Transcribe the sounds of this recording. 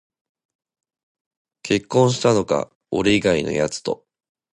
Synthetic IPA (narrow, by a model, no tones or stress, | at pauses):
kʰe̞kːõ̞ɰ̃ɕ̬i̥t̪ano̞ka̰ | oɾeiɡaino̞̰jat͡sɨ̥t̪o̞